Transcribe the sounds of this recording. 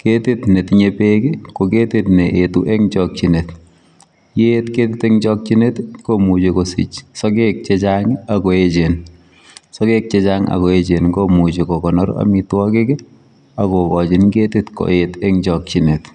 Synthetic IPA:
ketɪtnetɪɲepekikoketitneʔetuʔeŋt͡ʃɔk̚t͡ʃinet | jetketɪteŋt͡ʃɔk̚t͡ʃinetkomut͡ʃekosḭt͡ʃsɔkek̚t͡ʃet͡ʃaŋakɔet͡ʃen | sɔkek̚t͡ʃet͡ʃaŋa̰koet͡ʃenɡomut͡ʃekɔkɔnɔɾa̰mitwɔkekɛ | akɔkɔt͡ʃɪnketitko̰etɛŋt͡ʃɔk̚t͡ʃinet

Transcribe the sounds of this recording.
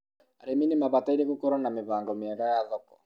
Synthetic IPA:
aɾeminimaβataiɾeɣokɔɾanamɪβaːŋɡɔmɪɛɾajaðɔkɔ̥

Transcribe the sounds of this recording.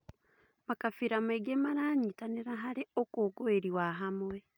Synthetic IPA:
makafiɾameɡemaɾaːɲitaneɾaɦaɾeokoːɡoeɾiwaɦamwe

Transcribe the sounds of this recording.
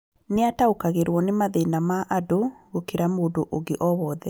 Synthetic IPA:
neataokaɣeɾwɔnemaðenamaʔadoɣokeɾamoːdoʔoɡeʔɔβɔːðɛ

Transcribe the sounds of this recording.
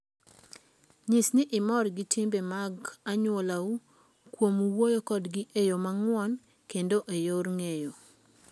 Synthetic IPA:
ɲisnɪʔɪmɔrɡɪtimbemaɡaɲwolau | kwomwojokɔdɡiʔejomaŋwɔn | kendoʔejoɾŋejo

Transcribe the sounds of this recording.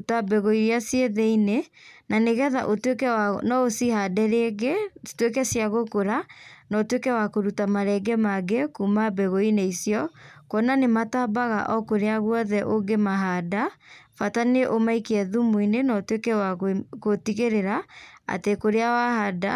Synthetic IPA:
tabɛɣoiɾjasjeðeine | naneɣɛðaʔotwekɛwanɔosihadɛɾeɡetwekɛsijaɣokoɾanɔtwekɛwakoɾutamaɾɛɡɛmaɡekumabɛɣoineisjɔkɔnanematabaɣa̰ʔɔkoɾeaɣwɔðɛʔoɡemaɦadafataneʔomaikeɛðumwinenɔtwekɛwakotiɣeɾeɾaa̰tekoɾeawahada̰

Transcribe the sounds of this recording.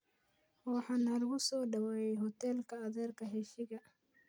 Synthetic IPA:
hɔːħɑnɐrɣʊsɔːɖɐwɛjɛjɦɔt̪ʰɛlkʰɐːðɛːrkʰɐɦɛʃɪɣɐ

